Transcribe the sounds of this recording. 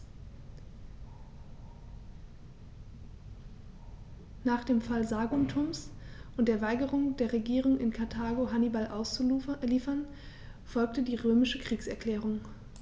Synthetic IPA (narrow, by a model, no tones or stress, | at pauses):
naːχd̥eːmfalzaːɡʊntʰʊmsʔʊntd̥eːɐvaɪɡəʁʊŋdeːɐʁeɡiːʁʊŋɪ̰nkʰaɐtʰaːɡoɦanibalʔaʊsliːfɐn | fɔlk̚tədiːʁøːmɪʃəkʁ̥iːksɛɐkl̥ɛːʁ̞ʊŋ